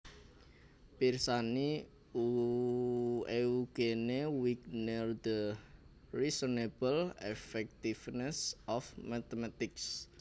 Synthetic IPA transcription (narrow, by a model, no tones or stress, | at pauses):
pirsani | u | euɡ̥enewiknərd̪ə | risɔneb̥əlɛfɛk̚t̪ifnɛsʔɔfmat̪emat̪ɪks